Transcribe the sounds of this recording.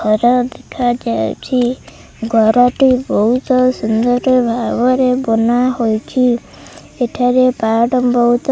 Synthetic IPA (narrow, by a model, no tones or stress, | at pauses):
ɔɾad̪ekʰad͡ʒaj̰t͡ʃʰi | ɡʱɔɾɔʈibɔɦut̪ɔsund̪ɔɾebʱabɔɾebɔnahojt͡ʃʰi | eʈʰaɾepaɖɔbɔɦut̪